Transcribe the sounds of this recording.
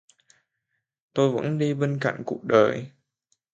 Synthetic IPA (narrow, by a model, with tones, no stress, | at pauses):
t̪o˧jvə̰˧˥nɗi˧ɓe˧nka̰˧˨jŋ̟ku˨˩ək̚ɗəː˨˩j